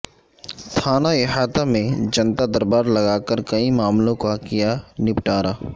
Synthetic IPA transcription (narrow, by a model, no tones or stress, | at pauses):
t̪ʰaːnaɪɦaːt̪amẽd͡ʒɐnt̪ad̪ɐɾbaːɾlɐɡaːkəɾkɐimaːmlõkakijanɪpʈaːɾa